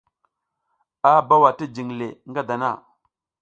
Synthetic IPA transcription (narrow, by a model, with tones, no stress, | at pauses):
a˦ba˦wa˨ti˦d͡ʒi˨ŋle˨ŋɡa˦da˨na̰˦˨